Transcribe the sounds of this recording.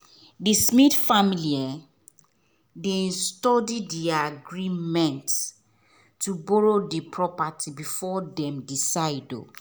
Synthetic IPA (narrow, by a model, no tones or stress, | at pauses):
dismidfamilia | dẽnstɔdiddiaɡɹimɛ̃ntː | ubɔɹodipʰɹɔpatʰibifɔdɛ̃mdisaɪdo̰